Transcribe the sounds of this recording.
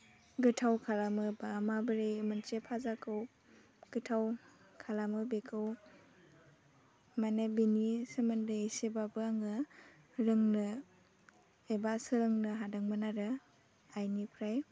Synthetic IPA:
ɡɯtʰawkʰalamɯbamabɯɾejmɯnt͡ʃepʰazakʰɯw | ɡ̥ɯtʰaw | kʰalamɯbekʰɯw | manebinisemɯndɯesebabɯaŋɯ | ɾɯŋnɯ | ebasɯɾɯŋnɯɦadaŋmɯnaɾɯ | ajnipʰɾaj

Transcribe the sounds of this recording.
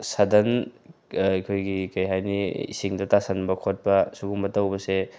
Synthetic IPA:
sɐdɐn | ikʰojɡikɐjɦajniḭsiŋdɐtasɐnbɐkʰot̚pɐsuɡuŋbɐtɐwbɐse

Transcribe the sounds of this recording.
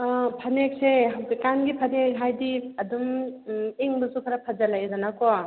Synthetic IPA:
pʰɐnek̚sekanɡipʰɐnekɦajdiɐdum | iŋbɐsupʰaɾapʰad͡ʒalajzanakɔ

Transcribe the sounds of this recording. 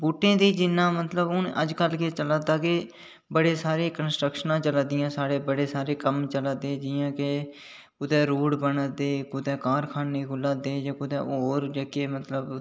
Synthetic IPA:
buːʈːẽːd̪iːd͡ʒɪnːãːmət̪ləbʊnəd͡ʒkəlkeːt͡ʃəlaːd̪aːkeː | bəɽeːsaːɾeːkənsʈɾəkʃənãːt͡ʃəlaːd̪ɪjãːsaːɾeːbəɽeːsaːɾeːkəmt͡ʃəlaːd̪eːd͡ʒiːjãːke | kʊd̪ɛːɾuːɽbənəd̪eːkʊd̪ɛːkaːɾkʰaːneːɡʊlaːd̪eːd͡ʒaːkʊd̪ɛ̰ːoːɾd͡ʒəkeːmət̪ləb

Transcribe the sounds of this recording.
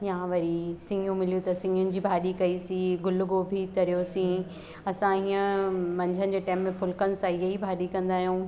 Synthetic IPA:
jãːʋɐɾisɪ̃ŋɡʱũmɪlijut̪ɐsɪ̃ŋʱʊnɪ̆d͡ʑiːbʱaːɗikɐisĩɡʊlʊɡobʱit̪ɐɾijosĩ | ɐsãɦiːə̃mɐ̃ɲd͡ʑʱənɪ̆d͡ʑeːʈaːɪmːẽfʊlkənɪ̆sãɪjɐibʱaːɗikɐ̃nd̪aːɦjũː

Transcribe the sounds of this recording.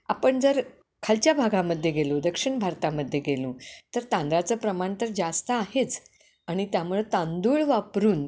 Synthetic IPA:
a̰pəɳd͡zəɾ | kʰalt͡ɕjabʱaɡãməd̪ʱːjeɡelod̪əkʂiɳbʱaɾt̪aməd̪ʱːjeɡelũːt̪əɾt̪ãnd̪ɾat͡səːpɾəmaɳt̪əɾd͡zast̪əaɦet͡s | aɽ̃it̪jamuɭet̪ãnd̪uːɭʋapɾuːn

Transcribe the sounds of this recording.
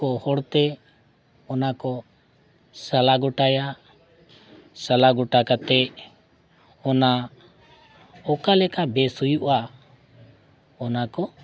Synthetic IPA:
ɔhɔɽt̪ɛ | ɔnakɔ | salaɡɔʈaja | salaɡɔʈakat̪ɛ | ɔna | ɔkalɛkabɛsujuʔa | ɔnakɔ

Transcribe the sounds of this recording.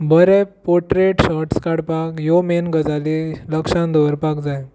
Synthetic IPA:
bʱəɾɛpoʈɾeʈɕɔɾʈskaɽpakjomenɡəd͡zaliləkʂãnd̪ɔʋəɾpakd͡zaj

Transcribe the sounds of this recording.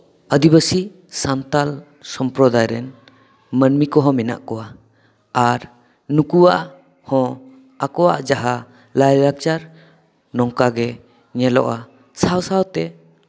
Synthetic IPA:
əd̪ibəsi | sant̪al | sɔmpɾɔd̪ajɾɛn | mənmikɔɦɔ̃mina̰ʔkɔwaː | ɾ | nukuwa̰ʔ | hɔ̃ | akɔwa̰ʔd͡ʒaɦa | lajɾakt͡ʃaɾ | nɔŋkaɡɛ | ɲɛlɔ̰ʔa | sawsawt̪ɛ

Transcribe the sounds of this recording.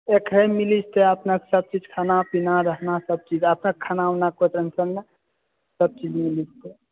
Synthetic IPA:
ekɾemilist̪eəpnaksəb̚t͡ʃid͡ʒkʰanapinaɾəɦnasəb̚t͡ʃid͡ʒəpnakkʰanaunakot̪ɾənsəlna | səb̚t͡ʃid͡ʒmilist̪e

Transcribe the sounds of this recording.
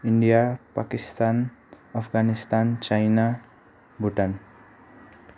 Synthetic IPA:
iɳɖijapakist̪an | ʌpʰɡanist̪ant͡sajna | bʱuʈan

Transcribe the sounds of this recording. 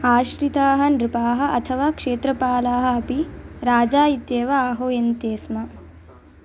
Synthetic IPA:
aːʃɾit̪aːɦɐnɾɪpaːɦɐ̆ʔɐt̪ʰɐʋaːkʂeːt̪ɾɐpaːlaːɦɐ̆ɐpiɾaːd͡ʒaːit̪jeːʋɐaːɦoːjent̪eːsmɐ

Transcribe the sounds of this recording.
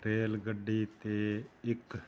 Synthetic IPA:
ɾeːlɡəɖːiːt̪eːɪk

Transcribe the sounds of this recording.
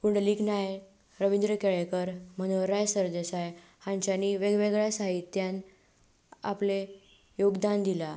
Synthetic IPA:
kuɳɖliːknaj | ɾəʋind̪ɾəkeɭekəɾm̤əñoɾajsəɾd̪esaj | hãɲt͡ɕaniʋeɡʋeɡɭjasaɦit̪ːjan | a̰ple | joɡd̪and̪ila

